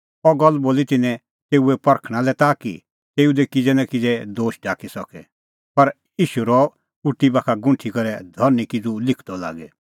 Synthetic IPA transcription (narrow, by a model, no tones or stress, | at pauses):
ɔɡɐlːboːlit̪ɪnɛ̃ | t̪eːuɛpɐɾkʰɽ̃ãlɛt̪aːkḭ | t̪eːud̪ɛkɪd͡zɛnãkid͡zɛd̪oːʃɖaːkisɔkɛ̰ | pɐɾ | iːʃuɾɔ | ʊʈːibaːkʰaɡʊ̃ɳʈʰikɐɾɛd̪ʱɔɾnikid͡zulɪkʰd̪ɔla̰ːɡɛ